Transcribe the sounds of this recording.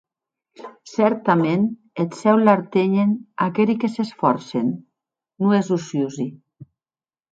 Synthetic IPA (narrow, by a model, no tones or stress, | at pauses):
sɛɾt̪amen | esɛwlaɾt̪eɲenakeɾikesesfɔɾsḛnː | uezusjuzi